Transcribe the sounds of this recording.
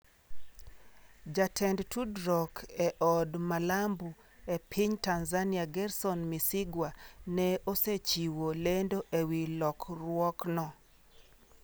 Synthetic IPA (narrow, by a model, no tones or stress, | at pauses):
d͡ʒatʰɛndtʰudɾɔkʰɛʔɔdmalambu | epʰiɲtanzanɪaɡɛrsɔnmisɪɡwanɛoset͡ʃiwolendoʔewilɔkɾwɔknɔ